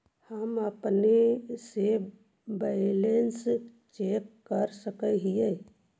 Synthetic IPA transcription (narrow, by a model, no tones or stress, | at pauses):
həməpnese | bɛɪlens | t͡ʃekːəɾsəkəɦije